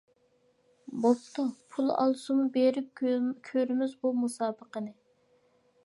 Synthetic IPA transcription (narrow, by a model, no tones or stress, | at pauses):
bop̚t̪ʰupʰulˠɑ̰lˠɨʃumubeɾɪp̚kʲʰøɾɪmɪzbumusɑːbəqənɨ